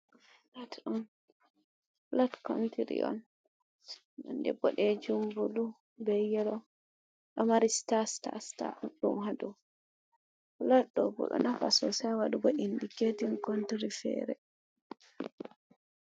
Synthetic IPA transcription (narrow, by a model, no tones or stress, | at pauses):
latɗun | latkontiɾḭʔɔ̰n | nɔndɛbɔɗɛd͡ʒumbulu | bɛjɛlɔ | ɗɔmaɾistasta̰sta̰ɗumhadɔ | laɗɔbɔ̰ɗɔ̰nafasɔsajwaɗuɡɔʔindiketinkontiɾifɛ̰ːɾɛ̰